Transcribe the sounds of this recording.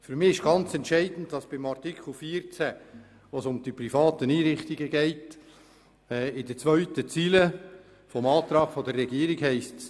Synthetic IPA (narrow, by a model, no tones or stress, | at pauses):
fʏɾmɪɪʃɡ̥ɑnt͡sɛntʃɛɪdn̩tdɑsb̥ɪmɑrtikʰl̩ˠfiːəɾt͡sɛ | ʋoːsʊmd̥iprifɑːtəniːɾɪχtiɡəɡɛɪt | ɪd̥ət͡sʋœʏtət͡siːlə | fɔmɑːt̪ɾɑːɡ̥fɔdərːɛɡiːəɾɪɡhɛɪsts